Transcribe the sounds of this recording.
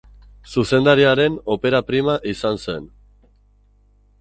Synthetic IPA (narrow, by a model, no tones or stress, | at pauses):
suse̞nd̪aɾiaɾe̞no̞pe̞ɾapɾimaʔisanse̞n